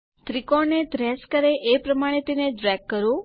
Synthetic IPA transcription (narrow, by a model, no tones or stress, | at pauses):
t̪ɾikɔɾned̪ɾɛskəɾeʔepɾəmaɽ̃et̪eneɖɾɛɡ̚kːəɾũ